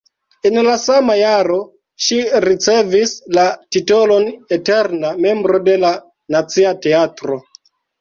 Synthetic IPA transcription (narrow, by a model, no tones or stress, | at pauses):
enlasamajaɾo̞ | ʃiɾit͡se̞vislatito̞lo̞neteɾname̞mbɾo̞de̞la | nat͡siate̞atɾo